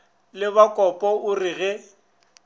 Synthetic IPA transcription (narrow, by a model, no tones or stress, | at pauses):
lɪβakʼɔpʼɔʊriɣɛ